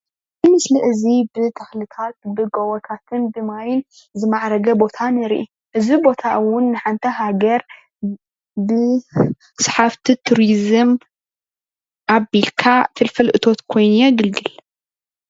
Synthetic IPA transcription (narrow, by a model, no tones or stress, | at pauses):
zɨmɨslɨʔɨzibɨt̪ʰɐxlɨt̪ʰat̪̚bɨɡowɐt̪ʰat̪ʰɨnbɨmajɪn | zɨmaʕɾɐɡɐbo̞t̪ʰanɨɾḭʔi | ʔɨzibo̞t̪ʰaʔwʊnːɨħant̪ʰɐɦaɡɐɾ | bɨ | sħaft̪ʰit̪ʰuɾizɨm | ʔabilkʰat̪ʰɨlfɐlʔɨt̪ʰo̞t̪kʰo̞jnjeɡɨlɡɨl